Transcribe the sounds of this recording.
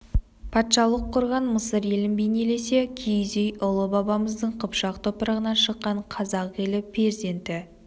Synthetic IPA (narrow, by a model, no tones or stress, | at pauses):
pʰɑt̪ʃɑlˠəqʰːʊɾʁɑnməsəɾe̞lɪnbejne̞le̞se̞kʲʰejzejʊlˠəbɑbɑməzd̪əɴqʰəpʃɑqt̪ʰopəɾɑʁənɑʃəqːɑɴqʰɑzɑqe̞lɪpʰeɾze̞nt̪ɪ